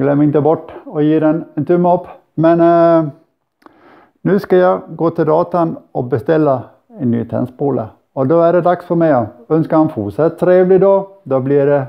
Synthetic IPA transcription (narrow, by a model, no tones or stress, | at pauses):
ɡlɛmːəɾɪnt̪əbɔʈːɔjiːɾɛnɛnt̪ʰʉmːɔpː | mɛn | nʉːskɑjɑɡoːt̪ʰɪld̪ɑːt̪anɔbəst̪ɛlːa | ɛnːy̰ːt̪ʰɛ̰nspuːlə̰ | ɔd̪ɔæɖɛd̪ɑksfɔɾmɛɪœnskəɾhɑnfuːʂɛt̪ʰːɾeːʋlɪd̪oːd̪ɔblɪɖɛ